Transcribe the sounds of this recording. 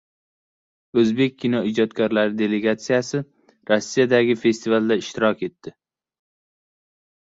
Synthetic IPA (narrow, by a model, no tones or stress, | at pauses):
ɵzbe̞k̚ʲʰːinɒid͡ʒɒt̪kʰʲaɾlaɾɪd̪e̞le̞ɡat̪sijasɪ | ɾosːijad̪aɡʲɪfe̞st̪ʰivalˠd̪aɪʃt̪ʰɪɾɒkʲe̞t̪ːɪ